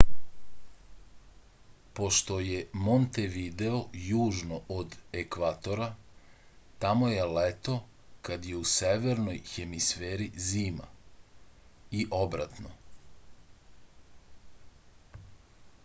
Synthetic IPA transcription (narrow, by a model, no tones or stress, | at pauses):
po̞ʃt̪o̞je̞mont̪eʋid̪eo̞juːʒnoʔod̪ekʋat̪o̞ɾa | t̪amoje̞let̪o̞ | kad̪je̞useʋe̞ɾno̞jxe̞misfeːɾiziːma̰ | iʔo̞bɾa̰t̪no̰